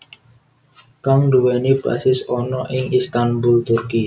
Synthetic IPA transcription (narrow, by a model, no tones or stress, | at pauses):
kaŋɖ̪uwɛnipɾa̰sɪsɔnɔʔɪŋist̪anbult̪ʊrki